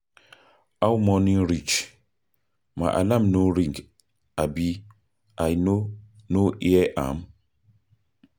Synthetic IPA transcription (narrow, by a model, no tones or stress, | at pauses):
awmɔnĩŋɾit͡ʃ | ma̰ʔa̰lãmnoɾĩŋɡ | abi | ʔajnonoʔiɛʔa̰m